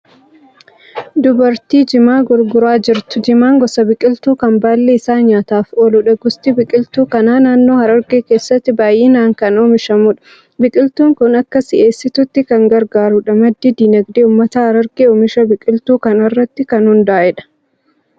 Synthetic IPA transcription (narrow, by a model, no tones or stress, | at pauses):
d̪ʊbɐɾt̪iːd͡ʒɪmaːɡʊɾɡʊɾaːd͡ʒɪɾt̪ʊ̥d͡ʒɪmaːŋɡɔsɐbɪkʼɪlt̪uːkɐmbaːlːeːɪsaːɲaːt̪aːfɔlʊᶑɐɡʊst̪ɪbɪkʼɪlt̪uːkɐnaːnaːnːo̞ːhɐɾɐɾɡeːkeːsːɐt̪ːɪbaːjʔeːnaːŋkɐnoːmɪʃɐmʊᶑɐ̥ | bɪkʼɪlt̪uːŋkʊnɐkːɐsɪʔeːsːɪt̪ʊt̪ːɪkɐŋɡɐɾɡaːɾʊᶑɐmɐd̪ːid̪iːnɐɡd̪eːʊːmːɐt̪ɐhɐɾɐɾɡeːoːmɪʃɐbɪkʼɪlt̪uːkɐnɐrːɐt̪ːɪkɐnhʊnd̪aːʔɛᶑɐ̥